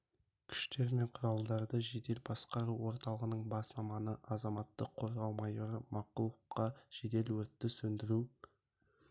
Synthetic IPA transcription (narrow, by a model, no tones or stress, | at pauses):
kʲʰʏ̥ʃt̪e̞ɾme̞ɴqʰʊɾɑlˠd̪ɑɾd̪əʒe̞d̪e̞lbɑsqɑɾuwo̞ɾt̪ɑlˠəʁənəɴbɑsmɑmɑnəʔɑzɑmɑt̪ːəqʰo̞ɾʁɑlˠmɑjuɾəmɑqʊlˠəqːɑʒ̥ed̪e̞lwɵt̪ːɪsɵnd̪ɪɾu